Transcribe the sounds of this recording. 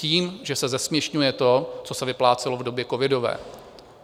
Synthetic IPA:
ciːmʒɛsɛzɛsmɲɛʃɲujɛt̪o̞t͡so̞sɛvɪplaːt͡sɛlovdo̞bjɛkovɪdo̞vɛ̰ː

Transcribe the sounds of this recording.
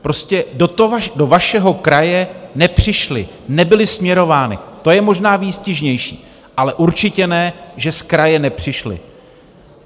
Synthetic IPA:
pɾo̞scɛdot̪ovado̞vaʃɛɦo̞kɾajɛnɛpr̝̥ɪʃlɪ̰ | nɛbɪlɪsmɲɛɾo̞vaːnɪ̰t̪o̞jɛmoʒnaːviːscɪʒɲɛjʃḭː | ʔalɛʔuɾt͡ʃɪcɛnɛːʒɛskɾajɛnɛpr̝̥ɪʃlɪ̰

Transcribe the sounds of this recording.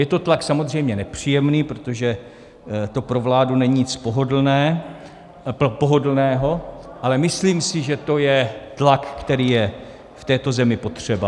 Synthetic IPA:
jɛt̪o̞t̪laksamozr̝ɛjmɲɛnɛpr̝̥iːjɛmniːpɾot̪oʒɛ | t̪o̞pɾo̞vlaːdunɛɲiɲɪt͡spoɦodl̩nɛː | poɦo̞dl̩nɛːɦo̞ʔalɛmɪsliːmsɪʒɛt̪o̞jɛt̪lakːt̪ɛɾiːjɛ | ft̪ɛːt̪o̞zɛmɪpo̞t̪r̝̥ɛba

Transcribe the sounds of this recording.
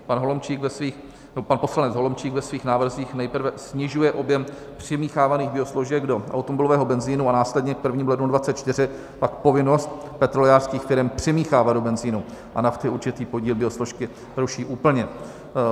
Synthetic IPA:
panɦo̞lomt͡ʃiːkvɛsviːx | nɛbopanpo̞slanɛd͡zɦo̞lomt͡ʃiːɡvɛsviːxnaːvr̩ziːxnɛjpr̩vɛsɲɪʒujɛʔo̞bjɛm | pr̝̥ɪmiːxaːvaniːɣbɪo̞sloʒɛɡdo̞ʔa̰wt̪omobɪlovɛːɦo̞bɛnziːnuanaːslɛd̪ɲɛk̚pr̩vɲiːmlɛdnudvatt͡sɛt̪t͡ʃt̪ɪr̝ɪ | pakpo̞vɪnost̪pɛt̪ɾo̞lɛaːr̥skiːxfɪɾɛmpr̥ɪmiːxaːvad̪̚do̞bɛnziːnuʔa̰naft̪ɪuɾt͡ʃɪt̪iːpo̞ɟiːlbɪosloʃkɪ | ɾuʃiːʔuːpl̩ɲɛ

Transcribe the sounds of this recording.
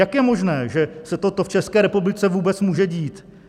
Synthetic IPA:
jakjɛmo̞ʒnɛːʒɛsɛt̪ot̪oft͡ʃɛskɛːɾɛpublɪt͡sɛvuːbɛt͡smuːʒɛɟiːt̪

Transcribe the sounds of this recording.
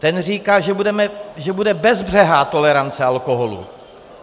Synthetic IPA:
t̪ɛnr̝iːkaːʒɛbudɛmɛʒɛbudɛbɛzbr̝ɛɦaːt̪o̞lɛɾant͡sɛalkoɦolṵ

